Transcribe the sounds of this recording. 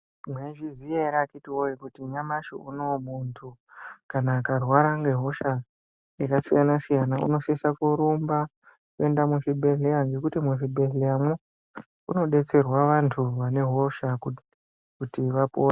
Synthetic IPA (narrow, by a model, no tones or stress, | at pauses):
mweʐizijeɾakitiwoikutiɲamaʃo̰uno̞muntʰukanaːkarwaɾaŋɡe̞ɦo̞ʃa | jakasijanasijanaṵno̞sesakuɾumba | kue̞ndamuʐibʱe̞ɮejaŋɡe̞kutimuʐibʱe̞ɮejamwe | uno̞ɗe̞t͡se̞rwaʋantʰuʋane̞ɦo̞ʃa | kutiʋapoːa